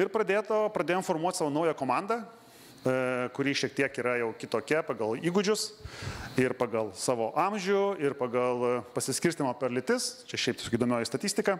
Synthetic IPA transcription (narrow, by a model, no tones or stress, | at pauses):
ɪɾpɾɐd̪ʲeːt̪oːpɾɐd̪ʲeːjomfoːrmuɔt̪sɑːʋoːnɐʊjɛkoːmɑnd̪ɐ | kʊɾʲiːʃʲiɛk̚t̪ʲiɛkiːɾɐjɛʊkʲɪt̪oːkʲɛpɑɡɐlˠiːɡʊd͡ʒʲʊs | ɪrpɑːɡɐlˠsɑːʋoːʔɑmʲʒʲʊɪrpɑɡɐlˠpɐsʲɪsʲkʲɪɾʲsʲt̪ʲɪmoːpʲɛrlʲɪt̪ʲɪst͡ʃʲɛʃʲɛɪpt̪ʲɪsokʲɪiːd̪oːmʲoːjɪst̪ɐt̪ʲiːsʲt̪ʲɪkɑ